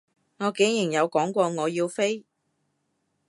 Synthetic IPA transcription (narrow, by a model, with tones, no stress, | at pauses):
ŋɔː˨˧ke˨˥jjɪ˨˩ŋjɐ˨˧wkɔː˨˥ŋkʷɔː˧ŋɔː˨˧jiː˧wfe˥j